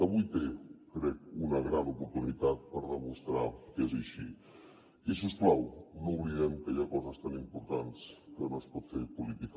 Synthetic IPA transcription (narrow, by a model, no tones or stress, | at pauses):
əaβujt̪ekɾɛk̚unaɣɾanupuɾt̪unit̪at̪̚pəɾðəmust̪ɾakɛzaʃi | isusplawnouβliðɛmkajakɔzəst̪animpuɾt̪anskənospɔt̪feɾpulit̪ik